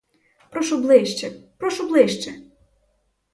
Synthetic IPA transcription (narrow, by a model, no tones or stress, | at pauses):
pɾɔʃʊblˠɪʃt͡ʃɛpɾɔʃʊblˠɪʃt͡ʃɛ